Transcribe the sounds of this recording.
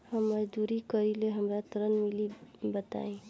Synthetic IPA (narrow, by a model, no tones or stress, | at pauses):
həmːəd͡ʒd̪uɾikəɾileɦəmɾat̪ɾənmilibət̪a̰ĩ